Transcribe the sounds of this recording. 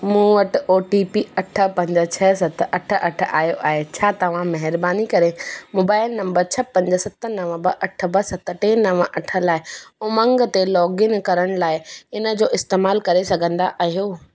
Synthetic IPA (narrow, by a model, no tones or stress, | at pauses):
mũːʋɐʈoːʈipiɐʈʰə̆pɐ̃ɲd͡ʑə̆t͡ɕʰɛːsɐt̪̆ʰɐʈʰə̆ʔɐʈ̆ʰaːɦijoʔaːɦet͡ɕʰaːt̪ɐʋ̤ãmɐɦɪɾbaːnikɐɾemoːbaːɪlnɐ̃mbəɾt͡ɕʰɐpɐ̃ɲd͡ʑəsɐt̪ənɐʋə̃bɐʔɐʈʰəbɐsɐt̪ʈeːnɐʋəʔɐʈʰəlaːɪoːmɐ̃ŋɡt̪elɔːɡɪnkɐɾəɽ̃ʊlaːɪɪnə̆d͡ʑoːʔɪst̪eːmaːlkɐɾesɐɡʱə̃nd̪aʔaːɦijoː